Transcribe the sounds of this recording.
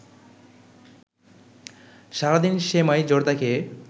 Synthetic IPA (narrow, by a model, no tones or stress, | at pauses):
ʃaɾad̪inʃemajd͡ʑoɾd̪akʰe